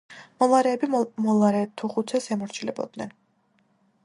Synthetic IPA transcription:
mɔlˠaɾɛːbimɔlˠaɾɛt̪ʰuχut̪sʰɛsɛmɔɾt͡ʃʰilɛbɔ̰d̪nɛn

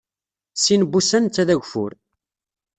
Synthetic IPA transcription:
sinbːusænt͡sːæðæʝʷfʊ̰ɾ

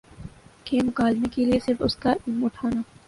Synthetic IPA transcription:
keːmʊkaːlmekeliesɪɾfʊskaʊʈʰaːnaː

